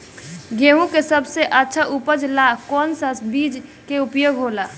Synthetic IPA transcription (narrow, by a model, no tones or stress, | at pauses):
ɡeɦũkesəbseʔətːʃʰaʔupəd͡ʒlakɔːnsasbid͡ʒkeupjoːɡʱɦola